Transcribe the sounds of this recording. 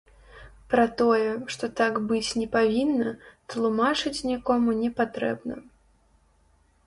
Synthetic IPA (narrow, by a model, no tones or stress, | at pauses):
pɾɐt̪ɔjɛʂt̪ɔt̪akbɨt͡sʲnʲɛpavʲinːɐt̪lˠumat͡ʂɨt͡sʲnʲikɔmunʲɛpat̪ɾɛ̰bnɐ̰